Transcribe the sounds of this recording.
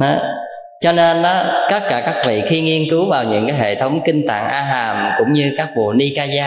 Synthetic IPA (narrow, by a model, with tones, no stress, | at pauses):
ha˨˦ | t͡ɕɔ˧ne˧nʔɔ˨˦k̪ə˦˥t̚kaː˧˩kaː˦˥k̚vḭ˧˨xi˧ŋi˧ənkɨ˨˦wvaː˨˩wɲɨ̰˧˥ŋkaː˨˦jɦḛ˧˨t̪ʰə˨˦wŋ͡mkï˧ŋ̟t̪a̰ː˧˨ŋʔaː˧ɦaː˨˩mkʊ̰˧˥ŋ͡mɲɨ˧kaː˦˥k̚ɓo̰˨˩əni˧kaː˧zaː˧